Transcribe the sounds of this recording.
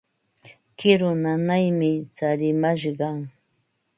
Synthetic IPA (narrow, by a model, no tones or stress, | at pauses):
kɪɾʊnanajmɪt͡saɾɪmaʃ̬ɢɑŋ